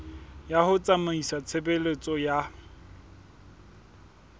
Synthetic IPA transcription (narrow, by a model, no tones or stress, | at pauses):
jahʊt͡sʼamaisat͡sʰebelet͡sʼɔja